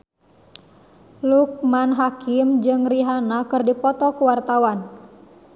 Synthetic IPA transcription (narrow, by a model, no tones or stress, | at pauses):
luk̚manɦakɪmd͡ʒɨŋriɦanakɨrdipɔt̪ɔkuwart̪awan